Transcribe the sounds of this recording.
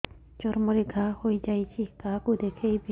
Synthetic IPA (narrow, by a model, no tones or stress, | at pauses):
t͡ʃɔɾmɔɾeɡʱahojd͡ʑajt͡ɕʰikakud̪ekʰejbe